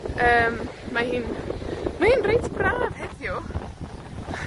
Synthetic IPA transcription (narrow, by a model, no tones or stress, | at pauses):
əːmmahiːnmahiːnrejtʰbraːv̥hɛθjʊ